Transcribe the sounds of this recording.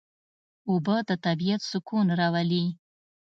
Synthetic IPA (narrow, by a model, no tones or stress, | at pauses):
ubəd̪ət̪abijat̪sʊkunɾɑwali